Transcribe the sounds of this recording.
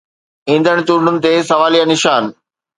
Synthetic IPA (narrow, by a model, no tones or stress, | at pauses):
ĩːn̆d̪ʱəɽ̃t͡ɕuːɖ̤ʱʊnɪ̆t̪esɐʋaːlijanɪʃaːn